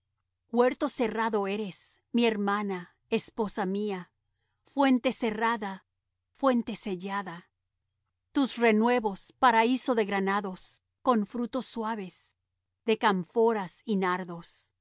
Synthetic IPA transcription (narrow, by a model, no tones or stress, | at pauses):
we̞ɾt̪o̞se̞raðo̞e̞ɾe̞s | mie̞ɾmana | espo̞samia | fwe̞nt̪e̞se̞raða | fwe̞nt̪e̞se̞ʝaða | t̪usre̞nwe̞βo̞spaɾaisoðe̞ɣɾanaðo̞s | ko̞ɱfɾut̪o̞sːwaβe̞s | ðe̞kaɱfo̞ɾasinaɾðo̞s